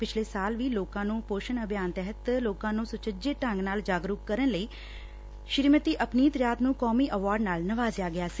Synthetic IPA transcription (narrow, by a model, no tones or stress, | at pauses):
pɪt͡ʃʰleːsaːlʋiːloːkãːnũːpoːʃənəbʱjaːnt̪ɛɦət̪loːkãːnũːsʊt͡ʃəd͡ʒeːʈə̃ŋɡnaːld͡ʒaːɡɾukːəɾənləiː | ʃɪɾmət̪iːʔəpniːt̪ɾjaːt̪nũːkɔːmiːʔəʋaːɾɖnaːlnəʋaːzjaːɡɪjaːsi̥ː